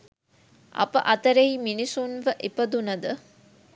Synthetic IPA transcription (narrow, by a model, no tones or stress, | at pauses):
ʔɐ̰pəʔɐt̪ɐɾeiminisunʋəʔepɐd̪unɐd̪ə